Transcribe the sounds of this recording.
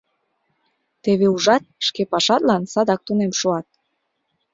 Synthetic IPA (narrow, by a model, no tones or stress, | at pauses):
t̪eβeuʒɑt̪̚ʃkepɑʃɑt̪lɑnsɑd̪ɑk̚t̪unemʃoɑt̪̚